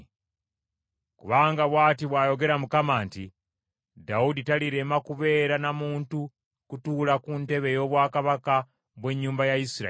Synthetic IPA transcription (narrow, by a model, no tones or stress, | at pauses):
kuβaːŋɡaβwaːtiβwaːjo̞ɡe̞ɾamukamaːntḭ | dauditaliɾe̞makuβe̞ːɾanamuːntu | kutuːlakunte̞βe̞jo̞ːβwaːkaβaka | βwe̞ɲːuːmbajaisiɾa̰